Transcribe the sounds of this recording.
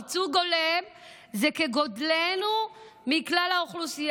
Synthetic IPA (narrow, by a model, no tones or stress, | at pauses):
t͡suɡolem | zekeɡodlenu | miklalhauχlusij